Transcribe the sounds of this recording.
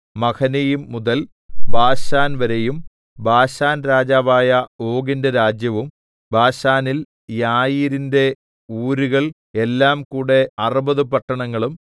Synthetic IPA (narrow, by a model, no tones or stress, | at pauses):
mɐkʰɐnejumːuðɐl | bʱaːɕaːnʋɐɾejum | bʱaːɕaːnɾaːd͡ʑaːʋaːjɐo̞ːɡindɐɾaːd͡ʑjɐʋum | bʱaːɕaːnil | jaːjiɾinde̞ | uːɾuɣɐɭ | e̞lːaːmkuːɽe̞ɐrubɐðupɐʈːɐɳɐŋːɐɭum